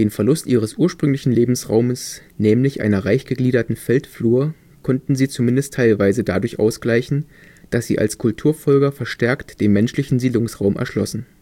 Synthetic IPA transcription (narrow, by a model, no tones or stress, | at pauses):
d̥eːnfɛɐlʊstʔiːʁ̞əsʔuːɐʃpʁ̥ʏŋlɪçn̩leːbm̩sʁa̰ʊməs | nɛːmlɪçʔa̰ɪnɐʁaɪçɡ̥əɡliːdɐtn̩fɛltfluːɐ | kʰɔntn̩ziːt͡sumɪndəstʰaɪlvaɪzədadʊɐçʔa̰ʊsɡ̥laɪçn̩ | d̥asz̥ḭːʔa̰lskʰʊltʰuːɐfɔlɡɐfɛɐʃtɛɐktd̥eːnmɛnʃlɪçn̩ziːdlʊŋsʁaʊmʔɛ̰ɐʃlɔsn̩